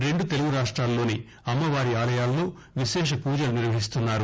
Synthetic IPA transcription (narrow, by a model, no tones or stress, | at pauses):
ɾe̞ɳɖut̪eluɡuɾaːʂʈɾaːlːo̞ːni | ɐmːɐʋaːɾiaːlɐjaːlːo̞ː | ʋiʃɛːʃ̬ɐpuːd͡ʒɐluniɾʋɐɦis̬t̪unːaːɾu